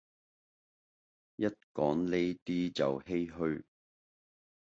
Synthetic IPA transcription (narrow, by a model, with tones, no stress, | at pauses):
jɐ˥t̚kɔ̰ː˨˥ŋle˥jt̪iː˥t͡sɐ̰˨whe˥jɦɵ˧ɥ